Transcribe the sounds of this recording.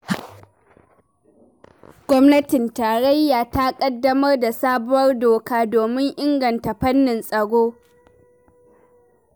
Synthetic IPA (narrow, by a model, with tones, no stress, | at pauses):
ɡ̥ʷɔ˦mnɐ˦tɪ˨ntaː˨ɽɐ˦jːaː˨ta˦kʼɐ˦dːɐ˦mɐ˦rda˨saː˦bʊ˦wɐ˦rdoː˨kaː˦doː˨mɪ˦ŋʔɪ˦ŋɡɐ˨nta˨ɸɐ˦nːɪ˨nsʼɐ˨ɽoː˦